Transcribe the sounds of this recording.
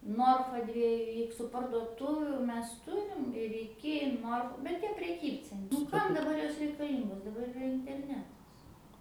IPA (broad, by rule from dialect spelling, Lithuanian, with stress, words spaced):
ˈnoːrfɐ ˈdʲʋʲiɛjʊ ˈɪksʊ pɐrduɔˈtʊʋʲuː ˈmʲɛs ˈtʊrʲɪm ɪr ɪˈkʲɪ ˈnoːrf bʲɛt ˈtʲiɛ pʲrʲɛˈkʲiːpʲt͡sʲɛn nʊ ˈkɐm dɐˈbɐr ˈjoːs rʲɛɪkɐˈlʲiːŋɡoːs dɐˈbɐr ɪˈrɐ ɪnʲtʲɛrʲˈnʲæːtɐs